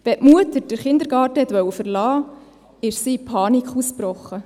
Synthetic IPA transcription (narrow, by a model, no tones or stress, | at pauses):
ʋɛʔmuətəɾd̥əɾχɪnd̪əɾɡ̥ɑːtəhɛt̪ʋœwəfəɾlɑː | ɪʃsipʰɑːnikχuspɾɔχːə